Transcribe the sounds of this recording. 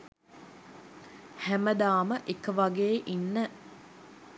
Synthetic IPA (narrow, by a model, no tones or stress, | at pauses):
hæməd̪aːməʔekəʋaɡeːʔinːə